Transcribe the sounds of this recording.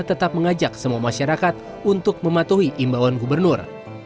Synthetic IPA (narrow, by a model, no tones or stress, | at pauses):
t̪ət̪ap̚məŋad͡ʒak̚səmuamaʃaɾakat̪̚ | unt̪ʊk̚məmat̪uɦiʔimbawanɡubərnʊr